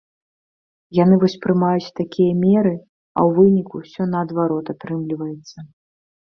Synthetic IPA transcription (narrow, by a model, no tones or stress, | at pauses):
janɨvɔsʲpɾɨmajut͡sʲt̪akʲʰijɐmʲɛɾɨ | ɐ̰wvɨnʲikusʲɔnɐːd̪vaɾɔt̪at̪ɾɨmlʲivɐjɛt̪sːɐ